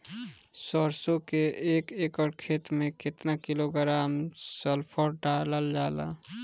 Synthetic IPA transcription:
sɔɾsokeekekɔɾkʰet̪mẽket̪nakiloɡəɾaːmsəlpʰəɾɖaləld͡ʒaːla̰

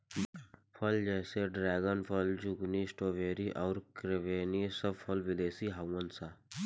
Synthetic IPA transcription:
pʰəld͡ʒɛːseɖɾɛːɡənpʰəld͡ʒʊɡnisʈoːʋeːɾiʔɔːɾkɾeʋeːnisəbfʰəlʋɪleːsiɦawwənsaː

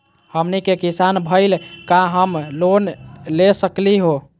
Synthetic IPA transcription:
həmnikekisanbʱəɪlkaɦəmlonlesəkliɦo

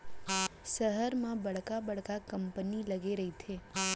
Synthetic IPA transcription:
səɦəɾmãbəɽkabəɽkakəmpəniləɡeɾəɦitʰe

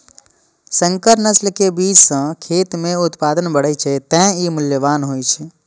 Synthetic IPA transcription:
sə̃ŋkəɾnəslkebiːd͡ʒsə̃kʰeːt̪mẽʊt̪paːd̪ənbəɽ̤əit͡ʃʰet̪ɛ̃imʊljəʋaːnɦoːit͡ʃʰɛ

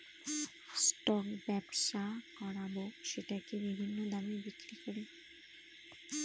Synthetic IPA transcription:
sʈɔkbɛbʃakɔɾaboʃeʈakebibʱinːod̪amibikɾikoɾe

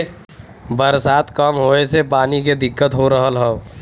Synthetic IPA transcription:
bəɾsaːt̪kəmɦoːesepaːniked̪ɪkːət̪ɦoɾəɦəlɦɛo

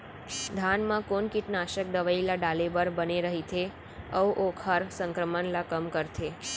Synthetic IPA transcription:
d̪ʱanmãkonkiʈnaʃək̚d̪əʋailaɖalebəɾbəneɾəɦit̪ʰe | əwʔokʰəɾsəŋkɾəmənlakəmkəɾt̪ʰe

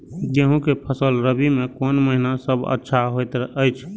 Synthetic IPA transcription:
d͡ʒeɦũkepʰəsəlɾəbimekonməɦinasəbʱə̰tːʃʰaɦojt̪əjt͡ʃʰ

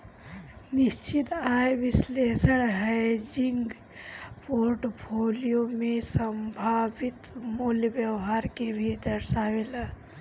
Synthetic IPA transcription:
nɪʃt͡ʃit̪aːjʋɪsleːsəɽɦɛjd͡ʒiŋɡ | poːɾʈpʰoːlijomẽsəmbʱaːʋɪt̪muljəbjəʋɦaːɾkebʱid̪əɾʃaːʋela

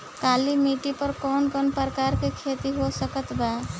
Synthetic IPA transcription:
kalimiʈipəɾkɔnkɔnpəɾkaɾkekʰet̪iɦosəkət̪ba

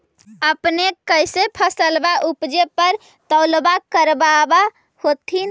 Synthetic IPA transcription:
əpneəjsepʰəsəlbaʔupd͡ʒepəɾ | t̪əlbakəɾbaba | hot̪ʰin

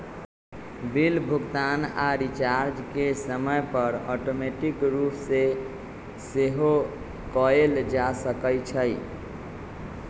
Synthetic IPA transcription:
bilbʱuɡt̪ana̰ɾit͡ʃaɾd͡ʒkesəməjpəɾɔʈomeʈikɾupse | seɦo | kɔeld͡ʒasəkəjt͡ʃʰəj

